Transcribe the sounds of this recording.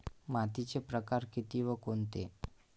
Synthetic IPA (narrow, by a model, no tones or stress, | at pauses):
mat̪it͡sepɾəkaɾkit̪iʋəkont̪ḛ